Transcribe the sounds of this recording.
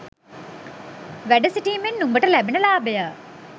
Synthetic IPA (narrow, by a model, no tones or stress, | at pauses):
ʋæɖəsiʈiːmenːumbəʈəlæbenəlaːbəjə